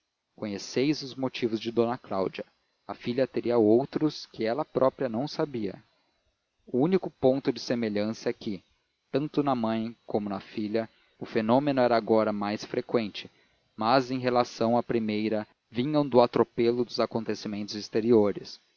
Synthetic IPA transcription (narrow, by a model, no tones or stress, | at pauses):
kõɲesejzʊzmot͡ʃivʊzd͡ʒɪd̪õnɐklawd͡ʒiɐ | ɐfiʎɐt̪eɾiɐowt̪ɾʊskɪɛlɐpɾʔɔpɾiɐnɐ̃w̃sabiɐ̰ | ʊũnikʊpõnt̪ʊd͡ʒɪsemeʎɐ̃sɐɛkɪ | t̪ɐ̃nt̪ʊnɐmɐ̃j̃kõmʊnɐfiʎɐ | ʊfenõmenʊɛɾɐːɡɔɾɐmajsfɾekwẽnt͡ʃɪ | mɐzẽj̃ɦelasɐ̃w̃apɾimejɾɐ | vĩɲɐ̃w̃d̪ʊat̪ɾopelʊd̪ʊzakõnt̪esimẽnt̪ʊzist̪eɾioɾɪs